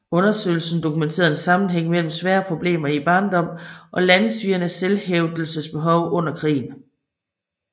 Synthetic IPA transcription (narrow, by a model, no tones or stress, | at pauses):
ɔ̽nɐsø̰ɪl̩sn̩d̥o̝kument͡sʰe̝̰ːɐðˠensɑ̈mn̩ɦeŋ̰mel̰m̩sʋæːɐpʰʁo̝b̥le̝̰ːmɐib̥ɑ̈ːnd̥ɒ̽m̰ʔɒ̽lænsʋiɐnəselheʊd̥l̩səsb̥e̝ɦɒʊʔɔ̽n̰ɐkʰʁḭːn̩